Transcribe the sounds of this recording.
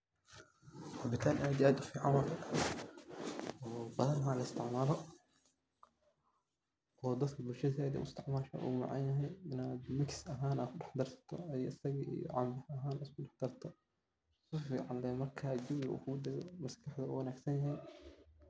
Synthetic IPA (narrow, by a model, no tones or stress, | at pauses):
rɑbɪt̪ʰaːnʔaːd̪iaːd̪ʊfiːʕɑnwɑkɐ | ɔːbɐðɐnɦaːlɐɪst̪ʰɪʕmaːlɔ | ɔːd̪ɐd̪kʰɐbʊlʃɐðɛːd̪ɛ̰ʊɪst̪ɪʕmaːʃɐ̰ʔṵːmɑ̰ʕɑ̰njɐɦɛjɪnaːd̪mɪksɐɦaːnaːd̪kʰʊɖɑħd̪ɐrsɐ̥t̪ʰɔ̰jɔɪsɐɣiḭjɔ̰ʕɑmbɪhɐɦaːnaskʰʊɖɑħd̪̥ɐrt̪ʰɔ | sɪfiːʕɑnlɛːmɐrkʰaːd͡ʒʊblṵːkʰʊɡʊd̪ɐɣɔ̰mɐskʰɐħd̪ɐṵwɐnaːɡsɐnjɐɦɛj